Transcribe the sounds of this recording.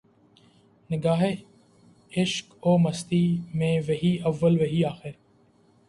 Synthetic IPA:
nɪɡaːɦe | ɪʃkoːməst̪iːmẽːʋɐɦiːəʋːəlʋɐɦiːaːxɪɾ

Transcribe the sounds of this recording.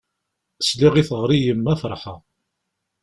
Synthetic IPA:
sliʁiθʁɾijəmːæfəɾˤħa

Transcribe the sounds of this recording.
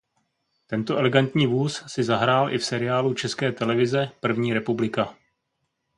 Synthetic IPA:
t̪ɛnt̪oʔɛlɛɡant̪ɲiːvuːssɪzaɦɾaːlʔɪfsɛɾɪaːlut͡ʃɛskɛːt̪ɛlɛvɪzɛpr̩vɲiːɾɛpublɪka

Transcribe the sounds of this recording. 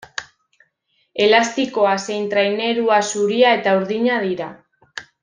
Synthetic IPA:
e̞last̪iko̞ase̞jnt̪ɾajne̞ɾuasuɾiae̞t̪auɾðiɲað̞iɾa

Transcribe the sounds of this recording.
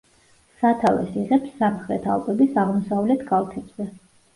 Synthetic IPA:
sat̪ʰavɛ̰siʁɛpsːamχɾɛt̪ʰa̰lˠkʼɔbisaʁmɔsavlɛt̪ʰɡʼalˠt̪ʰɛbz̥ɛ

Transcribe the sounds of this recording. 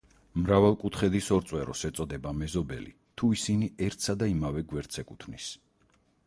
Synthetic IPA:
mɾavalˠkʼut̪ʰχɛd̪isɔɾt̪sʼwɛɾɔ̰sɛt̪sʼɔd̪ɛbamɛzɔbɛ̰lḭ | t̪ʰuisiniɛɾt̪ʰsad̪aimavɛɡwɛɾt̪sɛkʼut̪ʰvnis

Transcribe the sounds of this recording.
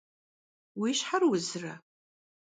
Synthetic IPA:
wiʃħarwʊzrɐ

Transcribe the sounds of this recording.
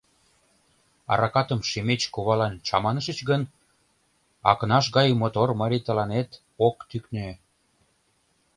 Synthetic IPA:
ɑ̰ɾɑkɑt̪ə̆mʃemet͡ɕkuβɑlɑnt͡ɕɑmɑnəʃə̆t͡ɕɣən | ɑ̰kənɑʃ̬ɣɑjmot̪ormɑɾʲit̪ə̆lɑnet̪ | okt̪yknø

